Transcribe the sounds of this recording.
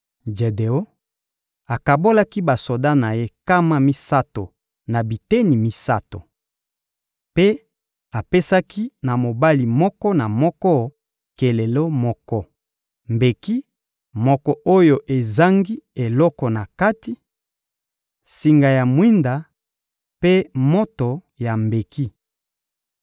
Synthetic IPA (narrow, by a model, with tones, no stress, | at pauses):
d͡ʒe˨de˨o˦ | a˨ka˨bo˦la˦ki˦ba˨so˨da˦na˨je˦ka˦ma˦mi˦sa˦to˨ | na˨bi˨te˦ni˨mi˦sa̰˦to̰˨ | pe˦ | a˨pe˦sa˦kʰi˦na˨mo˨ba˦li˨mɔ˦kɔ˦na˨mɔ˦kɔ˦ | ke˨le˨lo˦mɔ˦kɔ˦ | mbe˨ki˦ | mɔ˦kɔ˨ʔo˦jo˨ʔe˨za˦ŋɡi˦e˨lɔ˦kɔ˨na˨ka˦ti˨˦ | si˨ŋɡa˨ja˨mwi˦nda˨ | pe˦mo˦to˨ | ja˨mbe˨ki˦